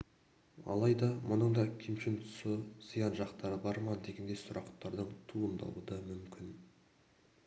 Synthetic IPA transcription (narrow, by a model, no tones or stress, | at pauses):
ɑ̰lˠɑjd̪ɑmʊnəɴd̪ɑkʲʰemʃɪnt̪ʰʊ̥səz̥əjɑnʒɑqt̪ɑɾəbɑɾmɑd̪e̞ɡʲend̪e̞sʊɾɑqt̪ːɑɾd̪əɴt̪ʰuəmd̪ɑ̰lˠəd̪əmʏmkʲʰɪn